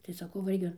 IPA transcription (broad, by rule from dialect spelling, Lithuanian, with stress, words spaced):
tɐɪ sɐˈkɐʊ ʋɐ ˈɪrʲɡʲɪ